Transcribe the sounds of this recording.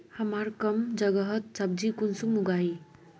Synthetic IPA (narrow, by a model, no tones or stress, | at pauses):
hɐmaɾkɐmd͡ʒɐɡɐɦʌt̪̚sab̚d͡ʒikunsumuɡaj